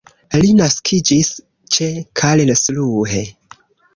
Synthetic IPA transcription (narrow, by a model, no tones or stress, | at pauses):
linaskʰid͡ʒis | t͡ʃekʰalelsluɦe